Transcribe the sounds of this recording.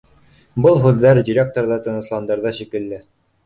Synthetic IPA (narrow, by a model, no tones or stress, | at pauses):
bɤlˠɦʉðːæɾdʲɪɾʲek̚t̪oɾðɑt̪ɤ̆nɤ̆slˠɑnd̪ɑɾðɑʃikɘ̆lːɘ